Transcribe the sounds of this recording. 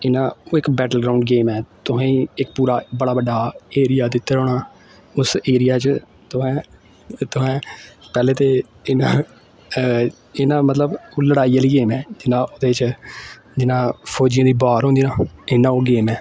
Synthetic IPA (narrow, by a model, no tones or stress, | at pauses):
ɪnãːoːɪkbɛːʈəlɡɾaːʊɳɖ̚ɡeːmɛːt̪ʊɦɛ̃ːĩːɪk̚puːɾaːbəɽaːbəɖaːeːɾɪjaːd̪ɪt̪ːeːɾoːɽaː | ʊseːɾɪjaːt͡ʃ | t̪ʊɦɛ̃ː | t̪ʊɦɛ̃ːpɛːleːt̪eː | ɪnãː | ɪnãːmət̪ləboːləɽaːiːəliːɡeːmɛːd͡ʒɪnãːʔod̪eːt͡ʃ | d͡ʒɪnãːpʰoːd͡ʒɪjãːd̪iːbaːɾɦõnd̪iːnãːɪnãːoːɡeːmɛː